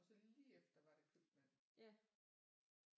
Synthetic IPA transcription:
ɒ̽sɒliːefd̥ɐʋɑ̈ɾ̥e̝kʰlub̥mæn̰

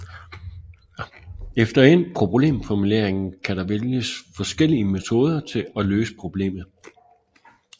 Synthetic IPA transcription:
efd̥ɐe̝n̰pʰʁo̝ble̝̰ːmfɒmule̝ɐ̰eŋn̩kʰæɾɑ̈ʋeljəsfɒ̽sɡ̥el̰iəme̝t͡sʰo̝ːð̞ˠɐt͡sʰe̝ɒløːsə̥pʰʁo̝b̥le̝̰ːmð̩ˠ

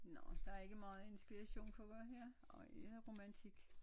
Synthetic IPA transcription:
nɒ̰d̥ɑ̈æɐe̝ɡ̥əmɑ̈ːð̞̩ˠe̝nsb̥iʁɑɕo̝̰ːnfʰɒʋæɦɛɐ̰ | ɒ̽eðʁo̝mænt͡sʰiɡ̥

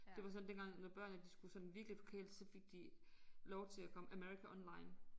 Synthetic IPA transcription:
d̥e̝ʋɑ̈s̬ɒ̽nd̥enɡ̥ɑ̈ŋ̰nɒb̥ɶɐ̰nəd̥isɡ̥usɒ̽nn̩ʋiɐɡ̥lifɒ̥kʰḛːld̥sɒ̽fe̝ɡ̥̚d̥ilɒʊt͡sʰe̝ækʰɒ̽məʔæmeɐʁikʰæʔɒ̽nlɑ̈ɪn

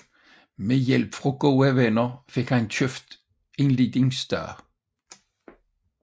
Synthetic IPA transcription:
mejɛlb̥fʁɔɡ̥oːæʋɛnɐfekhæntʰøfd̪̥ | ɪnliːd̪ɪŋsd̪̥ɑ̰ː

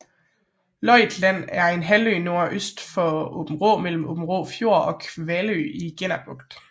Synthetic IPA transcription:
lɒɪd̥læn̰æɐe̝nɦæløːno̝ɐ̰ʔøsd̥fɒ̽ob̥m̩ʁo̰ːmel̰m̩ob̥m̩ʁoːfjo̝ɐ̰ɒ̽kʰʋælø̰iɡ̥en̰æb̥ɔɡ̥d̥

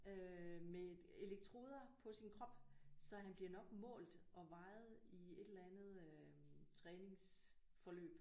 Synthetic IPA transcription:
øme | e̝leɡ̥̚t͡sʰʁo̝ːð̞ˠɐpʰɒ̽sinkʰʁɒ̽b̥sɒ̽ɦænb̥liɐnɒ̽ɡ̥mɔ̰̽ːld̥ʔɒ̽ʋɑ̈ɪð̩ˠie̝d̥elænð̞̩ˠ | t͡sʰʁɛːne̝ŋs | fɒ̽lø̰ːb̥

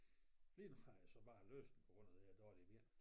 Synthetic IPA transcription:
fliːnmɑæsɒ̽b̥ɑ̈ːlø̰ːsd̥n̩pʰɒ̽ɡ̥ʁɔ̽n̰ð̩ˠed̥ɒːliʋiɐ̰

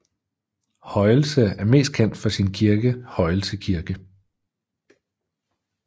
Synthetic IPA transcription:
hɒ̽ɪl̩səæɐme̝̰ːsd̥̚kʰen̰d̥fɒ̽sinkʰiɐɡ̥əhɒ̽ɪl̩səkʰiɐɡ̥ə

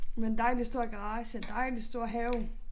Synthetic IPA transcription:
mend̥ɑ̈ɪndisd̥o̝ɐ̰ɡ̥ɑʁɑ̈ːɕəd̥ɑendisd̥o̝ɐ̰ɦɛʊ

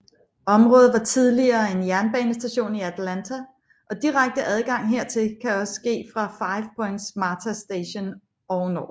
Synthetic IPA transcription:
ɒ̽mʁɔ̽ːð̩ˠʋɑ̈t͡sʰið̞ˠliɐːe̝njæɐnb̥ɛːnəsd̥æɕo̝̰ːniæd̥ʰlænt͡sʰæ | ʔɒ̽d̥iʁäɡ̥̚d̥əʔæð̞ˠɡ̥ɑ̈ŋ̰ɦe̝ɐ̰t͡sʰe̝lkʰæɒ̽sɡ̥e̝̰ːfʁɑ̈fɑ̈ɪʋpʰɔ̽eŋ̥smɑːt͡sʰæsd̥eɕo̝n | ɒʊnɒ̰̥ː

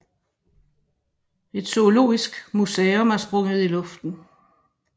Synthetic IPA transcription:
e̝d̥so̝o̝lo̝̰ːisɡ̥musɛːɔmæɐsb̥ʁɔ̽ŋ̰ðˠilɔ̽fd̥n̩

